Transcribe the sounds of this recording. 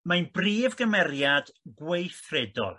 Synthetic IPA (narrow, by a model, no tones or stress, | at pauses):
manbriːvɡəmɛɾjad̥ɡwejθrɛdɔ̰lˠ